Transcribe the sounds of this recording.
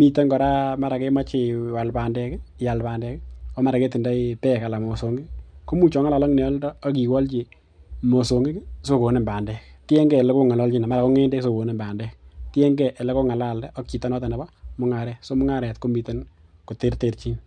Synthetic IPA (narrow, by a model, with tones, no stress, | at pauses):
mi˨to˦nkɔ˨ɾa˦ma˦ɾa˨ke˦ma˦t͡ʃɪ˨wa˨lpa˨ndɛ˨kja˨lpa˨ndɛ˦kɔ˦ma˦ɾa˨ke˦ti˨nda˦ipɛ˦ka˨la˨mo˨so˨ŋɡi˦ko˦mu˦t͡ʃɔ˨ŋa˦la˨lɔ˦ŋnɛ˨ɔ˦ldɔː˦k̬i˨kɔ˦lt͡ʃi˨ | mo˨so˨ŋɡi˦kso˦ko˨ne˨mba˨ndɛ˨ktɛ˦ŋɡɛ˦˨le˦ko˦ŋa˨lɔ˦lt͡ʃi˦na˨ma˦ɾa˨ko˦ŋɛ˦nde˦kso˨ko˨ne˦mba˨ndɛ˦ktjɛ˦ŋɡɛ˨ʔe˨le˦ko˦ŋa˨la˦˨ldɛ˦ɔ˦kt͡ʃi˨tɔ˦nɔ˦ta˨na˨ba˦mʊ˦ŋa˨ɾɛ˦kso˦mʊ˦ŋa˦ɾɛ˨tko˦mi˨te˦n | ko˨te˦ɾte˨tt͡ʃi˦n